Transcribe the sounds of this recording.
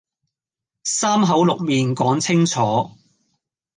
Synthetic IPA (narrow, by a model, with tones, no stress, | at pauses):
saː˥mɦɐ˨˥wlʊ˨k̚miː˨nkɔː˨˥ŋt͡sʰɪ˥ŋt͡sʰɔː˨˥